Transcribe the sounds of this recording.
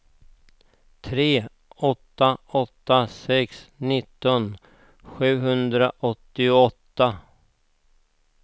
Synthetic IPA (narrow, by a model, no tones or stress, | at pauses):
t̪ʰɾeː | ɔt̪ːaɔt̪ːasɛksnɪt̪ːɔn | ɧʉ̟ːɦɵnd̪ɾaʔɔt̪ːɪɔt̪ːa